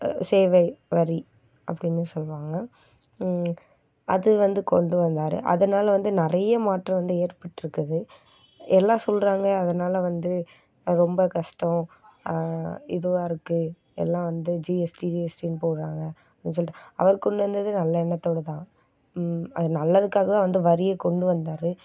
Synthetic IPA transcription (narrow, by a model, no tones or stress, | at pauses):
seːʋɐɪʋɐɾi | ɐpːɐɽɪnːɯsɔlːʋaːŋɡɐ | ɐ̰ðɯʋɐnd̪ɯkɔɳɖɯʋɐnd̪aːɾɯ̰ʔɐ̰ðɐnaːlɐʋɐnd̪ɯnɪɾɐjɐmaːʈrɐ̃ʋɐnd̪ɯeːɾpɐʈːɪɾɯkːɐðɯ | ʔɛlːãːsɔlɾaːŋɡɐːðɐnaːlɐʋɐnd̪ɯ | ɾɔmbɐkɐʂʈɔ̃ | ɪðɯʋaːɾɯkːɯ | ɛ̰lːãːʋɐnd̪ɯd͡ʒiɛsʈid͡ʒiɛsʈinɯpoːɾɾaːŋɡɐ | ɐpɪns̬ɔlɪʈːaɐ̰ʋɐɾkɔɳɖɯʋɐnd̪ɐðɯnɐlːɐɛnːɐt̪ːoːɽɐt̪ãː | ɐðɯnɐlːɐðɯkːaːɣɐt̪ãːʋɐnd̪ɯʋɐɾɪjɐkɔɳɖɯʋɐnd̪aːɾɯ